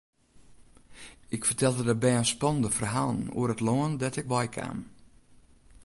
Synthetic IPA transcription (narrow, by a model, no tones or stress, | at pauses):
ɪkfərtʰɛlˠdədəbɛənspɔnəndəfərɦaːlˠənṵəɾətloəndɛtɪk̚ʋɔjkʰa̰ːm